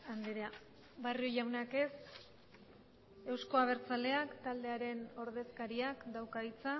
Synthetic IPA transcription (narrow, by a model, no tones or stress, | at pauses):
and̪iɾea | barioʝawnake̞s | e̞wsko̞aβ̞e̞ɾt͡sale̞akt̪ald̪e̞aɾe̞no̞ɾðe̞skaɾiakd̪awkait͡sa